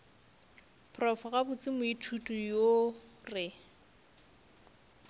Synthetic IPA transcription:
pʰrɔfɔɣabʊt͡sʼɪmʊitʰutʼujorɪ

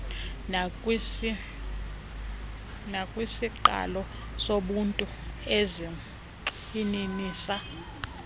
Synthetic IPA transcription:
nakʼwisiǃa̰lɔ | soɓuntʼuɛzi | ininiːsa

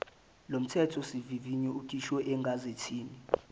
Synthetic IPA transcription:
lom̩tʰɛtʰɔsiviviɲɛukʼiʃwɛʔɛŋɡʱazetʰiːni

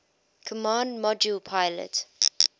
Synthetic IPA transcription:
kʰɔmãːndmɔd͡ʒulpʰaɪlə̰t

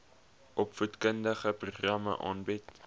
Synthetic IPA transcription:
ʔɔpfutkəndəχəpruχrɐmə̰ʔɑ̰ːnbit

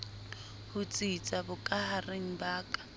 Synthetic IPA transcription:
hʊt͡sʼit͡sʼabʊkʼahareŋ̩baːkʼḁ

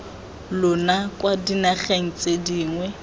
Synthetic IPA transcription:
lʊnakʼwadinaχeŋ̩t͡sʼediːŋwɛ

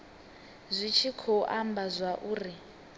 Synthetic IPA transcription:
zʷit͡ʃʰikʰɔʔambazʷaʔuːri

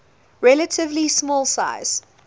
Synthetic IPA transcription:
ɹɛlətʰɪvlismɔːlˠsa̰ɪz̥

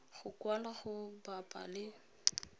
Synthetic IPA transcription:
ɣʊkwalaɣʊbapʼa̰lɪ

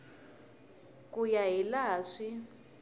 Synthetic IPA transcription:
kujaɦilaːʂi

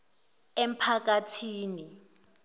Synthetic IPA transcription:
em̩pʰak̬atʰiːni

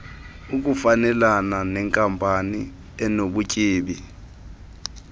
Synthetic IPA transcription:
uk̬ʼufanɛlananɛŋkʼampʼani | ɛnoɓucʼiːɓi

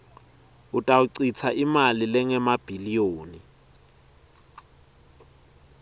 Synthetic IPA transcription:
ʊtʼauǀit͡sʰaʔimalɪlɪŋɛmab̥ʱilijoːni

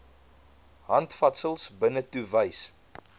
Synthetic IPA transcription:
ɦɐntfɐtsəlˠsbənətuvəjs

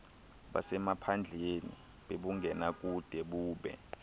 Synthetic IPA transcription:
ɓa̰sɛmapʰand͡ɮʱenḭ | ɓeɓuŋɡʱɛnak̬ʼud̥ʱɛɓuːɓɛ̰

